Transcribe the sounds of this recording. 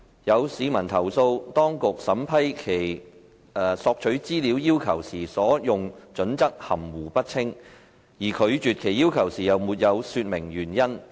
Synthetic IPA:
jɐ˨˧wsiː˨˧˥mɐ˨˩nt̪ʰɐ˨˩wso˧wt̪ɔː˥ŋkʊ˨k̚sɐ˨˥mpʰɐ˥jkʰe˨˩j | ɛː˨˩sɔː˧k̚t͡ʃʰɵ˨˥ɥt͡siː˥liː˨˧˥wjiː˥wkʰɐ˨˩wsiː˨˩sɔː˨˥jʊ˨ŋt͡ʃɵ˨˥nt͡sɐ˥k̚hɐ˨˩mwuː˨˩pɐ˥t̚t͡sʰɪ˥ŋ | jiː˨˩kʰɵ˨˧ɥt͡ʃyː˨t̚kʰe˨˩jiː˥wkʰɐ˨˩wsiː˨jɐ˨˩wmuː˨˩t̚jɐ˨˧wsyː˧t̚mɪ˨˩ŋjyː˨˩njɐ˥n

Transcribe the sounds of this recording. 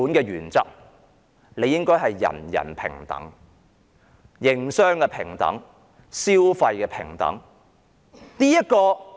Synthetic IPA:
uː˨˥nkɛː˧ɥyː˨˩nt͡sɐ˥k̚ | le˨˧jɪ˥ŋkɔː˥jɦɐ˨jːɐ̰˨˩njɐ̰˨˩npʰɪ̰˨˩ŋt̪ɐ̰˨˥ŋ | jɪ˨ŋsœː˥ŋkɛː˧pʰɪ˨˩ŋt̪ɐ̰˨˥ŋ | siː˥wfɐ˧jkɛː˧pʰɪ˨˩ŋt̪ɐ̰˨˥ŋ | niː˥jɐ˥t̚kɔː˧

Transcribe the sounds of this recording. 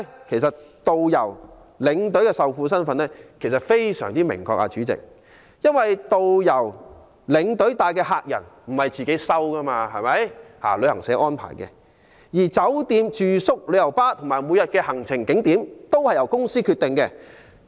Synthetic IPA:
kʰe˨˩jsɐ˨t̚t̪o˨wjɐ˨˩w | lɪ˨˧ŋt̪ɵ˨˥ɥkɛː˧sɐ˨wfuː˧sɐ˥nfɐ˨˧˥nlɛː˥kʰsɐ˨t̚fe˥jsœ̰ː˨˩ŋt̪iː˥mɪ̰˨˩ŋkɔ̰ː˧k̚ʔa̰ː˧t͡ʃyː˨˥t͡sɪ̰˨k̚ | jɐ˥nwɐ˨jt̪o˨wjɐ˨˩w | lɪ˨˧ŋt̪ɵ˨˥ɥt̪aː˨jkɛː˧haː˧k̚jɐ̰˨˩nm̩˨˩hɐ˨˩jt͡siː˨ke˨˥jsɐ˥wkɐ˥maː˧ɦɐ˨jmɐ˨˦jha̰ː˨˩lɵ˨˧ɥhɐ˨˩ŋsɛː˨˥ʔɔː˥npʰa̰ː˨˩jkɛ̰ː˧ | jiː˨˩t͡sɐ˨˥wt̪iː˧mt͡ʃyː˨sʊ˥k̚lɵ˨˧jɐ˨˩wpaː˥t̪ʰʊ˨˩ŋmaː˨˩jmuː˨˧jɐ˨t̚kɛː˧hɐ˨˩ŋt͡sʰɪ˨˩ŋkɪ˨˥ŋt̪iː˨˥mt̪o˥whɐ˨jɐ˨˩wkʊ˥ŋsiː˥kʰy˧t̪ɪ˨ŋkɛː˧

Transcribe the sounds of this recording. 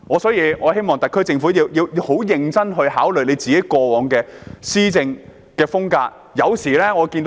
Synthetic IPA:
ŋɔː˨˧sɔː˨˥jiː˧ŋɔː˨˧he˥jmɔː˨ŋt̪ɐ˨kʰːɵ˥ɥt͡sɪ˧ŋfuː˨˥jiː˨˧wjiː˧wjwho˨˥wjɪ˧ŋt͡sɐ˥nɦɵ˧ɥhaː˨˥wlɵ˨ɥne˨˧jt͡siː˨ke˨˥jkɔː˧wɔː˨˧ŋkɛː˧siː˥t͡sɪ˧ŋ | kɛː˧fʊ˥ŋkaː˧k̚ | jɐ˨˧wsiː˨˩lɛː˥ŋɔː˨˧ki˧nt̪

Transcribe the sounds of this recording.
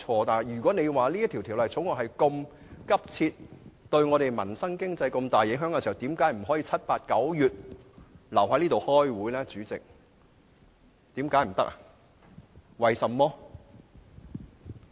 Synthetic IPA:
ɔː˧t̪aː˨˩n˨˩jɥyː˨˩kʷɔː˨˥ne˨˧jwaː˨liː˥jɐ˥t̪ʰi˨˩t̪ʰiː˨˩wlɐ˨jt͡sʰʊ˨˥ŋɔː˨hɐ˨jkɔ˧m | kɐ˥p̚t͡sʰiː˧t̚t̪ɵ˧ɥŋɔː˨˧ɾe˨˩jmɐ˨˩nsɐ˥ŋkɪ˥ŋt͡sɐ˧jko˧mt̪aː˨jːɪ˨˥ŋɦœː˨˥ŋkɛ˧si˨˩hɐ˨˩wt̪iː˨˥mkaː˨˥jm̩˨˩ɦɔː˨˥jiː˧t͡sʰɐ˥t̚paː˧t̚kɐ˨˥wjyː˨t̚ | lɐ˨˩whaː˨˥jliː˥t̪o˨whɔː˥jwuː˨˥jlɛː˥t͡syː˨˥t͡sɪ̰˨k̚ | t̪iː˨˥mkaː˨˥jm̩˨˩t̪ɐ˥k̚ʔa˨ | wɐ˨jsɐ˨mːɔː˥

